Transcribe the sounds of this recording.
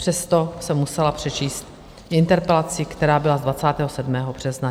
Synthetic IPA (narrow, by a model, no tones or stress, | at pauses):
pr̥ɛst̪o̞sɛmːusɛlapr̝̥ɛt͡ʃiːst̪ | ʔɪnt̪ɛɾpɛlat͡sɪkt̪ɛɾaːbɪlazdvat͡saːt̪ɛːɦosɛdmɛːɦo̞br̝̥ɛzna